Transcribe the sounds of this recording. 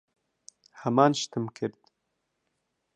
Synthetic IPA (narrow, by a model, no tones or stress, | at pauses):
hɐmɑːnʃt̪ɨmkʰɨɾd̪